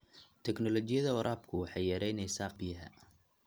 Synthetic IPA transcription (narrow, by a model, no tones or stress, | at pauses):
t̪ʰɛknɔlɔt͡ʃɪjɐðɐwɔɾʔaːbkʰʊwɑħɑjːɐɾɛjnɛjsaːfbɪjɐɦɐ̰